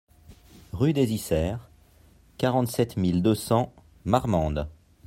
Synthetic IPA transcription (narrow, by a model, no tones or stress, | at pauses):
ʁyd̪ezisɛːʁ | kaʁɑ̃t̪sɛt̪mild̪əsɑ̃ | maʁmɑ̃d̪